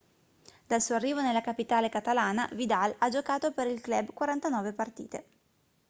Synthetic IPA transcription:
d̪alsuːoarːiːvonelːakapit̪aːlekat̪alaːna̰vid̪alad͡ʒokaːt̪opeɾilklɛbkwaɾant̪anɔːvepart̪ḭːt̪e

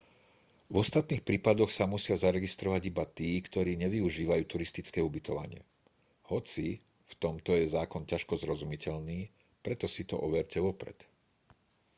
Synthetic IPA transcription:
vɔst̪at̪niːxpɾiːpad̪ɔxsamusɪazaɾɛɡist̪ɾɔʋaɟibat̪iːkt̪ɔɾiːɲɛʋiuʒiːʋajuːt̪uɾist̪it͡skɛːubit̪ɔʋa̰ɲɪɛ̰ | hɔt͡si | ft̪ɔmt̪ɔjɛzaːkɔncaʃkɔzɾɔzumicʰɛʎniː | pɾɛt̪ɔsit̪ɔ̰ʔɔʋɛɾcɛʋɔpɾɛ̰t̪

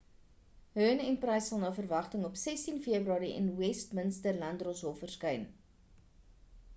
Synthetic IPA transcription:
ɦøːnɛnprəjsːɐlˠnəwfərvɐχtəŋɔpsɛstinfiəbryɑːɾiʔɛ̰nwɛstmənstərlɐndrɔsɦɔfərskəjn

